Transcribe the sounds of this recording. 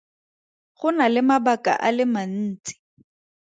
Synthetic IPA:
χʊnalɪmabakʼa̰ʔalɪman̩ːt͡sɪ̥

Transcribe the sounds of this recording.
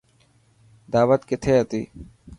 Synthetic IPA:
d̪aːʋət̪kɪt̪ʰeːɦət̪ḭː

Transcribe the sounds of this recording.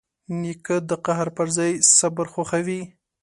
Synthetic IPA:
nikəd̪əqahɾpəɾzɑjsabəɾxoxawi

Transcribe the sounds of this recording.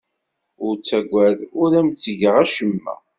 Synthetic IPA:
ʊɾt͡sːæɡʷæðʊɾæmt͡sːəʝəʁæʃəmːæ̰

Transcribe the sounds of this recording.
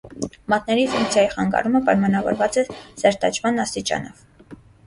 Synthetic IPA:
mɑt̪nɛɾifuŋk̚t͡sʰjɑjiχɑŋɡɑ̰ɾuməpɑjmɑnɑvɔ̰ɾvɑt͡sɛzɛɾt̪ɑt͡ʃʰmɑnːɑst̪it͡ʃɑ̰nɔv

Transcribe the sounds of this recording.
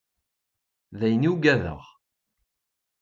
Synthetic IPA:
ðæjəniuɡæðə̰ʁ

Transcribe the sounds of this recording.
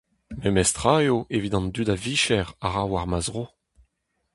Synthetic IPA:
memɛst̪ʁaeoʔevidɑ̃ndydaviʃɛʁaʁawaʁmazʁo

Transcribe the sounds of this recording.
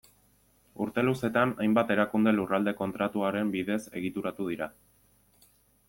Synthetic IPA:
uɾt̪e̞luse̞t̪anajmbat̪e̞ɾakund̪e̞lurald̪e̞ko̞nt̪ɾat̪uaɾe̞mbiðe̞se̞ɣit̪uɾat̪uð̞iɾa

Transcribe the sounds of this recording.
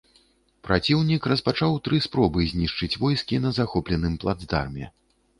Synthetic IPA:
pɾat͡sʲiwnʲikrɐspat͡ʂawt̪ɾɨspɾɔbɨzʲnʲiʂt͡ʂɨt͡sʲvɔjskʲinɐzaxɔplʲɛnɨmplˠa̰d̪zd̪a̰rmʲɛ̰

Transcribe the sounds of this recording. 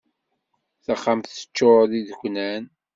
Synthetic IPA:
θaχːamθə̥t͡ʃːoɾðiðəkʷːnæn

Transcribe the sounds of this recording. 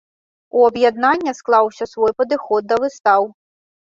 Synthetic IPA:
uɐbjad̪nanʲːɐsklˠawsʲɐsvɔjpɐd̪ɨxɔd̪̚ːɐvɨst̪aw

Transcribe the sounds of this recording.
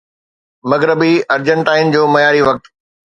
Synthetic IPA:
mɐɣɾɪbiɐɾd͡ʑə̃ɳʈaːɪnd͡ʑoːmɐjaːɾiʋɐk̚t̪

